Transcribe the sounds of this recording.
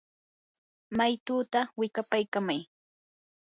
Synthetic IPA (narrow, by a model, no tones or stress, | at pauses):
majt̪uːt̪awɪkapajkamaj